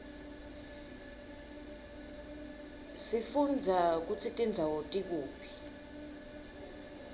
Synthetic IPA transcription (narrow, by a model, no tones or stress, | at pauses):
sifund͡zʱak̬ut͡sʰitʼind͡zʱawotʼik̬uːpʰi̥